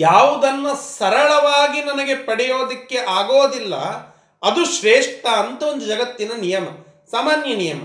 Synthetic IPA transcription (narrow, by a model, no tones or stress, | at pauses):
jaːʋud̪ɐnːɐsɐɾɐɭɐʋaːɡinɐnɐɡe̞pɐɽɛjo̞ːd̪ɐkːe̞ʔaːɡoːd̪ilːɐ̰ | ɐd̪uʃɾeːʂʈɐːnt̪ɐond̪ud͡ʒɐɡɐt̪ːinɐnijɐmɐ | saːmaːnjɐnijɐmɐ